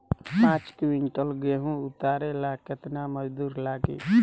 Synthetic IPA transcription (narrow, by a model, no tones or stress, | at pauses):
pãːt͡ʃkwiɳʈəlɡeɦũʊt̪aːɾelaːkət̪naməd͡ʒd̪uːɾlaːɡḛː